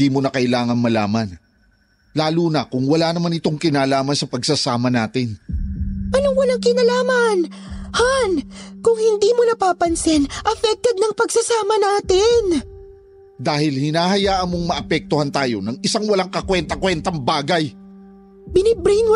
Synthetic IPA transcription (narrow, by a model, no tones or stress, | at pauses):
iːmo̞nɐkɐʔɪlaːŋɐnmɐlaːmɐn | laːluːnɐkʊŋwɐlanɐmanɪt̪o̞ŋkɪnaːlaːmɐnsɐpɐɡsɐsaːmɐnaːt̪ɪn | ʔɐnoŋwɐlaŋkɪnɐlaːmɐn | hankʊŋhɪnd̪iːmonɐpaːpɐnsɪnʔɐfɛk̚t̪ɛd̪̚nɐŋpɐɡsɐsaːmɐnaːt̪ɪn | d̪aːhɪlhɪnaːhɐjaːʔɐnmːoŋmɐʔɐpɛk̚t̪ohant̪aːjo̞nɐŋɪsaŋwɐlaŋkɐkwɛnt̪ɐkwɛnt̪ɐŋbaːɡɐj | bɪnɪbɾin